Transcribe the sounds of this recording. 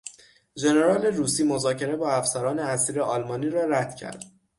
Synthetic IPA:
d͡ʒe̞ne̞ɾɒːle̞ruːsiːmozɒːcʰe̞ɾe̞bɒːæfsæɾɒːne̞æsiːɾeʔɒlmɒːniːɾɒːɾæd̪̥cʰæ̰ɾd̪̥

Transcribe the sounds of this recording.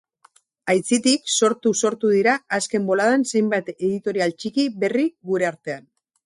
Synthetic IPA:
ajt͡sit̪ikso̞ɾt̪uso̞ɾt̪uðiɾaːske̞mbo̞lað̞anse̞jmbat̪e̞ðit̪o̞ɾialt͡ʃikiβe̞riɣuɾe̞aɾt̪e̞an

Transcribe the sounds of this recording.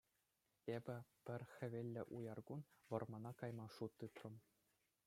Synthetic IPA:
ebʲɘ̆pʲɘ̆rʲxʲɘ̆ʋʲelʲːɘ̆ʔujɑrɡunʋɤ̆rmɑnɑkɑjmɑʂut̪ːɯt̪rɤ̆m

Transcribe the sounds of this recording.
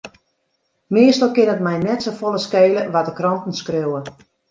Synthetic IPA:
mɪəstəlˠkɪnətmɛjnɛtsofolˠəskeːləʋatdəkrɔntn̩skrøwə

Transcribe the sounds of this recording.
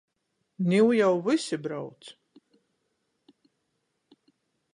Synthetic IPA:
niwjawvisibɾawt̪s

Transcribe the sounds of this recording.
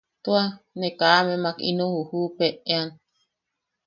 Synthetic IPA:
t̪ua | nekaːmemakḭnõhuhupeean

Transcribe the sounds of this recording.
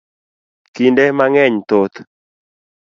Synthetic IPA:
kindɛmaŋɛɲt̪ot̪

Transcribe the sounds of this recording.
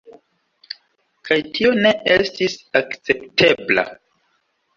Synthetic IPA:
kʰajtʰio̞ne̞ʔestisakt͡se̞ptʰe̞bla̰

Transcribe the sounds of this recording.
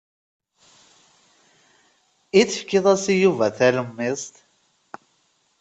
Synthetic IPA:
iθəfkɪðˤæsijuvæθæləmːɪsˤt̪

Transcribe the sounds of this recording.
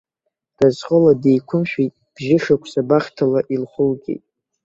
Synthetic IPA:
d̥azχʼəladejkʷʰʊmʃᶣijtʼb̥ʒɪʂakʷʰsabaχʲtʰalaʔilχʷʊlɡʲḛjtʼ

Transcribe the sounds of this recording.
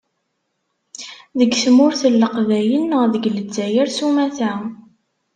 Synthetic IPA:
ðəɡsmʊɾθəlːəqvæjənːəʁðəɡləd͡zːæjæɾsumæθæ

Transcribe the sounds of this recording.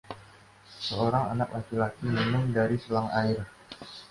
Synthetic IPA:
səoɾaŋa̰nak̚lakilakimənʊŋdaɾisəlaŋaɪr

